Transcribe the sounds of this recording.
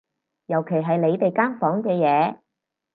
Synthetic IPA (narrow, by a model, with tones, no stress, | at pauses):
jɐ˨˩wkʰe˨˩jɦɐ˨jle˨˧jt̪e˨jkaː˥nfɔː˨˥ŋkɛː˧jɛː˨˧